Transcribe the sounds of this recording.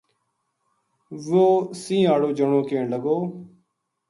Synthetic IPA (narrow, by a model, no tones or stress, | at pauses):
ʋoːsĩːaːɽoːd͡ʒəɳoːkẽːɳləɡoː